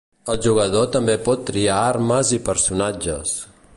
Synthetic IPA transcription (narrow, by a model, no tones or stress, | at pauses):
əlˠʒuɣ̞əðot̪əmbepɔt̪ːɾiaaɾməzipəɾsunad͡ʒə̰s